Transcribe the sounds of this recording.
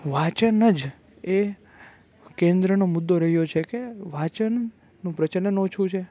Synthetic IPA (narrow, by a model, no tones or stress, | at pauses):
ʋat͡ʃənəd͡ʒ | e | kẽnd̪ɾənomʊd̪ːoɾəɦjot͡ʃʰekeʋat͡ʃənː | ũpɾət͡ʃənənot͡ʃʰũt͡ʃʰe